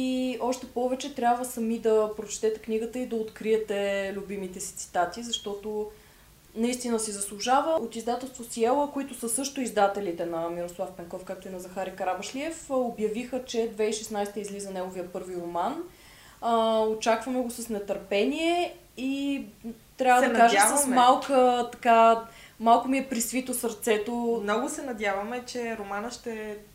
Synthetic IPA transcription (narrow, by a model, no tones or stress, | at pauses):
iɔʃt̪ɛpɔvɛt͡ʃɛt̪ɾʲabvəsɐmid̪ɐpɾot͡ʃɛ̥t̪ɛt̪ɛkniɡət̪əid̪ɐot̪kɾiɛt̪ɛlʲʊbimit̪ɛsi̥t̪si̥t̪at̪izɐʃt̪ɔt̪o | nɐist̪inəsizɐslˠuʒavəot̪izd̪at̪ɛlˠst̪vosiɛlˠəkoit̪ʊsəsɤʃt̪ʊizd̪at̪ɛlit̪ɛnɐmiɾoslˠafpɛŋkɔfkak̚t̪oinɐzɐxaɾikɾabəʃliɛfobjɐvixət͡ʃɛd̪vɛiʃɛsnajst̪əizlizənɛɡovijəpɤɾviɾoman | əot͡ʃakvəmɛɡosəsnɛt̪əɾpɛniɛ | i | t̪ɾʲavəd̪ɐkaʒaəsmalˠkət̪ɐkamalˠkomiɛpɾisvit̪osəɾt̪sɛt̪omnɔɡʊsɛnɐd̪javɐmɛt͡ʃɛɾomanəʃt̪ɛ